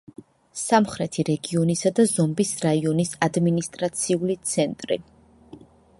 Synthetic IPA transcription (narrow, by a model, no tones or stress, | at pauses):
samχɾɛt̪ʰiɾɛɡiɔnisad̪azɔmbisɾaiɔnisad̪minist̪ʼɾat̪sʰiulit̪sʰɛnt̪ʼɾḭ